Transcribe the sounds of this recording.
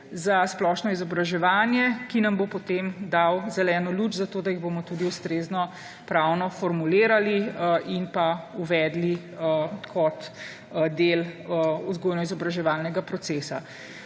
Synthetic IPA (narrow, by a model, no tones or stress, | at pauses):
zasplɔʃnɔizɔbɾaʒɛʋaːnjɛkinambopɔt̪emd̪awzɛlɛːnɔlut͡ʃzat̪oːd̪ajiɣbomɔt̪uːd̪iust̪ɾeːznɔ | pɾawnɔfɔɾmuleːɾaliʔinpauʋɛːd̪li | kʰɔt̪ | d̪eluzɡoːjnɔizɔbɾaʒɛʋalnɛɡapɾɔtseːsa̰